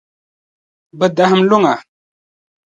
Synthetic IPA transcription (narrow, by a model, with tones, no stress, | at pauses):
bə˦˨da˦ɦə˦m˦lu˦ŋa˨